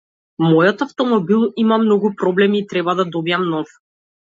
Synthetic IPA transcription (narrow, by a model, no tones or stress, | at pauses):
mɔjɔt̪aft̪ɔmɔbilˠimamnɔɡupɾɔblɛmiːt̪ɾɛbad̪ad̪ɔbijamnɔf